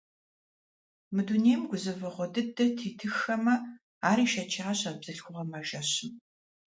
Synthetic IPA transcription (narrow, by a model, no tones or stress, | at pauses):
mɨduneːmɡʷʊzɨvɨʁʷɔdɨdɐtʰiːtʰɨxɐmɐ | aːɾiːʃɐt͡ʃʰɐaɕɐbz̥ɨɬxʷʊʁɐmaʒɐɕɪm